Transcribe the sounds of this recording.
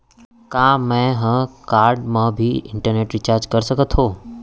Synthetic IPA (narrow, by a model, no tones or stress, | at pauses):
kãːmɛ̃ɦə̃kaːɾɖmãbʱiɪ̃ɳʈəɾneːʈɾɪt͡ʃaːɾd͡ʒkəɾsəkət̪ʰɦõː